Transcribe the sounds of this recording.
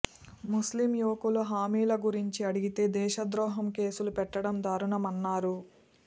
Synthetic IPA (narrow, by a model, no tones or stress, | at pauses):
muslimjuʋɐkuluɦaːmiːlɐɡuɾiɲt͡ʃiɐɽiɡit̪e̞ːd̪ɛːʃɐd̪ɾɔːɦɐmke̞ːsulupɛʈːɐɽɐmd̪aːɾuɳɐmɐnːaːɾu